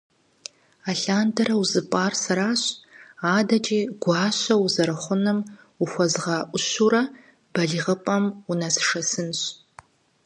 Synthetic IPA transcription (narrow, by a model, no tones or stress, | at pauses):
aːɬaːndʰɐɾɐwuzɨpʼaːrsɐɾaːɕaːdɐd͡ʒʼiːɡ̥ʷɑːɕʷɐwuzɐɾɨχʷʊnɨm | ʊxʷɔzʁɐʔʷʊɕuɾɐ | b̥ɐɮiʁəpʼɐmunɐsʂɐsɨnɕ